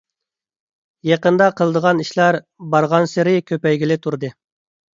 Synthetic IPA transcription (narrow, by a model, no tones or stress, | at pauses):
jɑqənd̪ɑqʰəlˠd̪əʁɑniʃlˠɑɾ | bɑɾʁɑnsɪɾɪkʲʰøpɛjɡʲilɪt̪ʰuɾd̪ɨ